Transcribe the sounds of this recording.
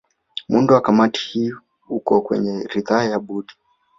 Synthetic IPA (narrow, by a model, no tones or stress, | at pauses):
munduwakamati̥hiu | ukɔkwɛ̰ɲɛɾiðajaɓuɗi̥